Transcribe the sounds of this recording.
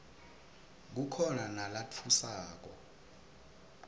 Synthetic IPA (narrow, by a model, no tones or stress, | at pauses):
k̬ukʰɔnanalat͡fʰusaːk̬ɔ